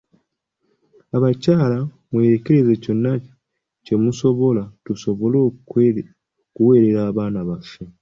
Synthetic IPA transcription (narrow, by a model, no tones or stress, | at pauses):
aβacaːla | mweːɾeke̞ɾe̞ze̞co̞nːaci̥ | ce̞muso̞βo̞latuso̞βo̞lo | kuwe̞ːɾe̞ɾaːβaːnaβafe